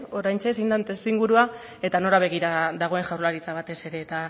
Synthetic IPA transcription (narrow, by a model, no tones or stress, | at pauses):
o̞ɾajnt͡ʃes̬ind̪ant̪e̞st̪uiŋɡuɾua | e̞t̪ano̞laβ̞e̞ɣiɾaðaɣ̞o̞e̞ŋʝawɾlaɾit͡saβ̞at̪e̞se̞ɾe̞ːt̪a